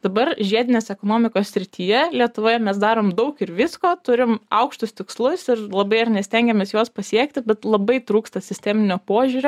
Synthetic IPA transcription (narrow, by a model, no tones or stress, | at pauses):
d̪̥ɐbɐɾʒʲiɛd̪ʲɪnʲeːsɛkoːnoːmʲɪkoːssʲɾʲɪt̪ʰʲiːjɛlʲiɛt̪ʊʋoːjɛmʲɛs̬d̪ɑːɾoːmd̪ɐʊkɪɾʋʲɪskoːt̪ʊɾʲɪmɐʊkʃt̪ʊst̪ʲɪkslˠʊsɪɾlˠɐbɐɪɐɾnʲɛsʲt̪ʲɛŋʲɡʲɛmʲeːsjoːspɐsʲiɛk̚t̪ʲɪbʲɛt̪lˠɐbɐɪt̪ɾuːkst̪ɐsʲɪsʲt̪ʲæːmʲɪnʲoːpoːʒʲuɾʲoː